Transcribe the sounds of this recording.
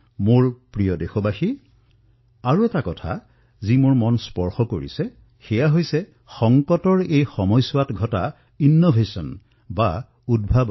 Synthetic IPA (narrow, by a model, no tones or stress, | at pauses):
moɹpɹijɔdexɔbaxi | aɹuɛtakɔtʰa̰ | zimʊɹmɔnspɔɹxɔkoɹḭsɛ | xɛjaɦojsɛ | xɔŋkɔtɔɹejxɔmɔjsʊwatɡʱɔta̰ | inːɔbʱesɔn | ba | udbʱab